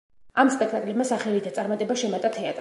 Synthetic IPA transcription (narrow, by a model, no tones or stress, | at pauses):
amspʼɛkʰt̪ʼakʼlɛbmasaχɛlid̪at̪sʼaɾmat̪ʼɛbaʃɛmat̪ʼat̪ʰɛat̪ʼɾ